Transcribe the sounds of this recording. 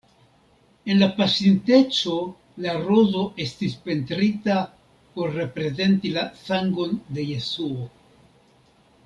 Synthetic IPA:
e̞nlapasinte̞t͡ʃo̞ | laɾo̞zo̞ʔe̞stispe̞ntɾita | po̞ɾːe̞pɾe̞ze̞ntilasaŋɡo̞nde̞je̞suo

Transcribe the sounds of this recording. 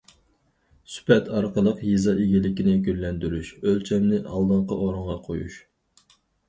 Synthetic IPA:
sy̥pɛt̪ʰɑɾqəlˠəqjizɑʔeɡʲilɪkʲinɪkʲyɾlɛnd̪yɾyʃølt͡ʃʰɛmnɪʔɑ̰lˠd̪əɴqɑʔoɾʊɴʁɑqʰojṵʃ

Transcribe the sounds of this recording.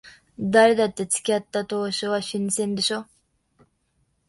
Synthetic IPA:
d̪aɾed̪at̪ːe̞t͡sɨ̥kʲiat̪ːat̪o̞ːɕoβaɕinsẽnd̪eɕo

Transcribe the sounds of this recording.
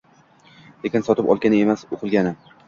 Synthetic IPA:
lekʲɪnsɒt̪ɪpɒ̰lˠɡʲanɪe̞masoqʰɨlˠɡʲanɪ

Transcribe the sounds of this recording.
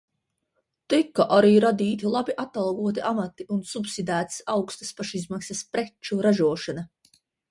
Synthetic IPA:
t̪ikːaʔaɾiːɾad̪iːt̪ilˠabiʔat̪ːalˠɡuɔt̪iʔamat̪iunsupsid̪æːt̪sawkst̪ḁspaʃizmaksɐspɾet͡ʃuɾaʒuɔʃana

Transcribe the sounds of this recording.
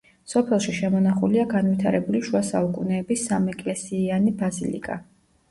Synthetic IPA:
sɔpʰɛlˠʃiʃɛmɔnaχuliaɡanwit̪ʰaɾɛbuliʃuasa̰ukʼunɛːbisːamɛkʼlɛsiːanibazilḭkʼa

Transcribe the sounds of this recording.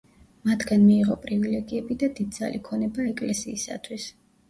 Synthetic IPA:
mat̪ʰɡanmiːʁɔpʼɾivilɛɡiɛbid̪ad̪id̪̚d̪za̰likʰɔnɛbaɛkʼlɛsiːsa̰t̪ʰwis

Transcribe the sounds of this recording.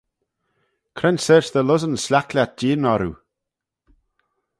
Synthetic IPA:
kʰɾɛnsɛɹsðəlʊzənslʲaklʲat̪̚diːənɔɾṵ

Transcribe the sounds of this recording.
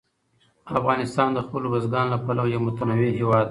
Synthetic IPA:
afɣɑnɪst̪ɑːnd̪əxpəlobazɡɑːnlapalawjamʊt̪anaweɦewɑːd̪

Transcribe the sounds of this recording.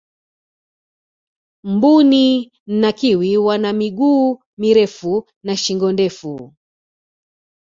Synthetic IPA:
m̩buni | nakiwiwanamiɠuː | miɾɛfu | naʃiŋɡɔndɛfu

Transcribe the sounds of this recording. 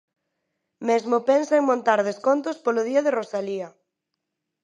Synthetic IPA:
mezmopɛnsaeŋmõnt̪aɾðeskont̪ʊspoloð̞iaðerosalia

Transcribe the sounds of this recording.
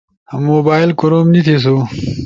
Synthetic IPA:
hɐmːoːbaːjlkoɾomnit̪ʰes̬u

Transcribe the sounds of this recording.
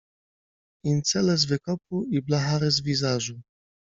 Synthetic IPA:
int̪sɛlɛzvɘkɔp̚uiblaɦaɾɘzvʲizaʐu

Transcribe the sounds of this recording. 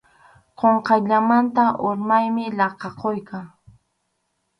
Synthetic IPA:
qoɴqɑjʎamant̪aʔoɾmajmɪlɑqɑqojkʰaŋ

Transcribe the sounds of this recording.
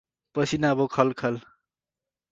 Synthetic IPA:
pʌsʰinabokʰʌlkʰʌl

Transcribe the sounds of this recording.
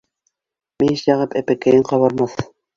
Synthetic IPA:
miʃjɑʁɤpæpækæjɘɴqɑβɑɾmɑθ

